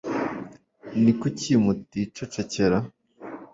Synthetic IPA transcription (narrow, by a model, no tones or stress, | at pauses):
nikucimutit͡ʃot͡ʃeceɾa